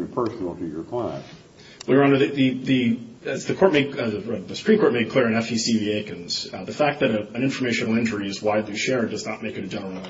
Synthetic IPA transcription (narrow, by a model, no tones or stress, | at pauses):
ɨpʰɜ˞snl̩ˠtʰid͡ʒə˞kʰl̥æ̰n | wɪɹə̃nə˞ðɨðɨðɨɪsðɨkʰɔɹt̚meɪd̚ðɨsə̥pʰɹ̥ĩmkʰɔɹt̚meɪd̚kʰl̥ɪɹɨ̃nɛfisivieɪkɨ̃nz̥ðɨfæk̪̚ðɨɾɨɨ̃nɪ̃ɱfə˞meɪʃɨ̃nl̩ˠɪ̃nd͡ʒə˞iɨzwaɪdˡliʃɛɹɨ̃ndʌznət̚meɪkɨ̃ɾɨd͡ʒɛ̃nə˞